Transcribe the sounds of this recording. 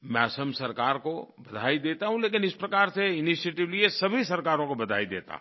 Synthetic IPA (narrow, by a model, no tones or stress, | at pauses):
mɛːsəmsɐɾkaːɾkobɐd̪ʱaːid̪eːt̪aɦũleːk̬ɪnɪspɾɐkaːɾseɪniʃeːʈɪʋliesɐbʱisɐɾkaːɾõkobɐd̪ʱa̰ːid̪ḛːt̪a̰